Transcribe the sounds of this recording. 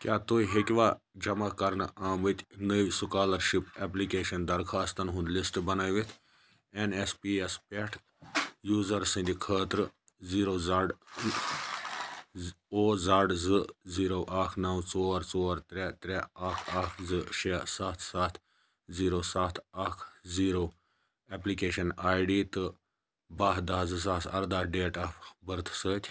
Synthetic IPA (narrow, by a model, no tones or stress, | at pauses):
kʲjaːt̪oːiɦekʲʋaː | d͡ʒɐmakɐɾnaːmʋɨt̪ʲnəʋʲsukaːlɐɾʃipeːp̬likeːʃɐnd̪ɐɾkʰaːst̪ɐnɦũnd̪lisʈbɐnaːjʋit̪ʰ | enespiːespeʈʰ | juːzɐɾsɨ̃nd̪ikʰəːt̪ɾɨ | ziːɾoːzaɖ | oːzaːɖzɨziːɾoːʔaːkʰnɐwt͡soːɾt͡soːɾt̪ɾɛːt̪ɾɛaːkʰaːkʰzɨʃesaːt̪ʰsaːt̪ʰ | ziːɾoːsaːt̪ʰaːkʰziːɾoː | eplikeːʃɐnaːjɖiːt̪ɨ | baːɦd̪aːzɨzaːsɐ̰ɾd̪aːɖeːʈaːpʰbəɾt̪ʰsəːt̪ʰʲ